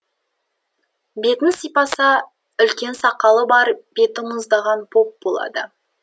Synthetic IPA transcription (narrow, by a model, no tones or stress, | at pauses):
be̞t̪ɪnsijpɑsɑ | ʏlkʲe̞nsɑqɑlˠəbɑɾb̥e̞t̪ɪmʊzd̪ɑʁɑnpʰo̞p̚bolˠɑ̰d̪ə